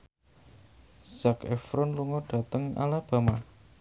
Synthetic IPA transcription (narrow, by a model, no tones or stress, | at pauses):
z̥akɛ̰fɾɔnluŋɔd̥a̤t̪əŋa̰lab̥a̤ma